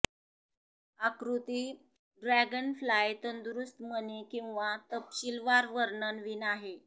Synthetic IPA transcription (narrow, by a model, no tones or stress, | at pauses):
akɾut̪iː | ɖɾæɡənflajt̪ənd̪uɾust̪mənekĩw̃ʋat̪əpɕilʋaɾʋəɾɳənʋiːnaɦe